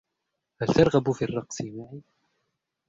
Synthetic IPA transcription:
halt̪ɑɾˤɣabfiːrˤːɑqsˤɪmaʕi

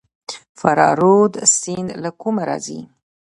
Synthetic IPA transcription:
faɾɑɾod̪sinlakumaɾɑ̰zḭ

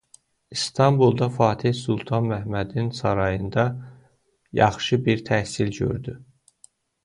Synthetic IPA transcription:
ist̪ʰɑmbulˠd̪ɑfɑːt̪ʰihsulˠt̪ʰɑnmæhmæd̪insɑɾɑjɯnd̪ɑ | jɑ̰χʃɯbiɾt̪ʰæhsilɟø̰ɾd̪y

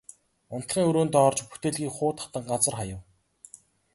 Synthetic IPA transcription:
ʊn̥t̪χiːŋɵɾoːnt̪ɔrt͡ɕput̪eːɮɣiːkχʊːt̪χḁt̪ə̆ŋɢat͡sə̆rχajə̆w

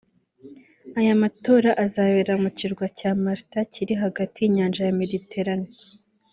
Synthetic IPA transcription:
ajamato̞ːɾaʔazaːβeɾamuciɾɡwacaːmaɾtaciɾiɦaɡatijiɲaːnd͡ʒajame̞dite̞ɾane

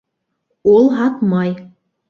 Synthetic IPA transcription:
olˠɦɑt̪mɑj

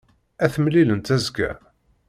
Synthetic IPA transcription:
æθəmlilənt̪æzɡæ̰

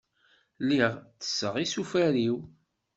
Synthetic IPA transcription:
lːiʁθə̥sːəʁisufæɾiw

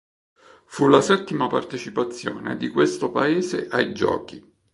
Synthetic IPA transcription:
fulasɛt̪ːimapart̪et͡ʃipat̪sːjo̰ːnḛd̪ikwest̪opaeːzeʔajd͡ʒɔ̰ːki

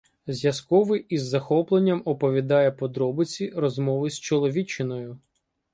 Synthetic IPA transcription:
zʲjɐskɔʋɪʔizːɐxɔplˠenʲːɐmɔpɔʋʲid̪ɑjɛpɔd̪ɾɔbɪt͡sʲirɔzmɔʋɪst͡ʃɔlˠɔʋʲit͡ʃːɪnɔjʊ

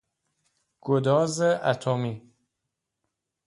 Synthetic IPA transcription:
ɡ̥od̪ɒːzeʔæt̪ʰomi

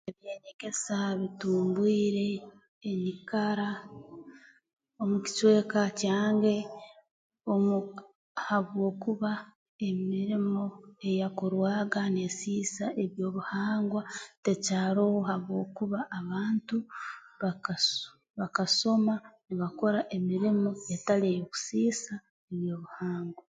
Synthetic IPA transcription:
eβje̞ːɲeɡe̞saβituːmbwiːɾe̞ː | ɲikaɾa | o̞muci̥t͡ʃwe̞ːkacaːŋɡe̞ | omu | haβwo̞ːkuβa | e̞miɾimo̞e̞jakoɾwaːɡane̞siːsae̞βjo̞ːβuhaːŋɡwate̞caːɾowohaβwo̞ːkuβaʔːβaːntuβak | βakaso̞maniβako̞ɾaʔe̞miɾimo̞etalejoku̥siːsa | eβjo̞ːβuhaːŋɡwa

